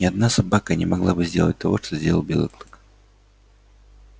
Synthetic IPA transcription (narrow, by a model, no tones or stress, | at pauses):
nʲɪad̪nasabakanʲɛmaɡlˠabɨzʲdʲelˠə̰t̚ʲt̪avɔʂt̪ɔzʲdʲelˠlˠbʲḛlˠɨ̰klˠɨk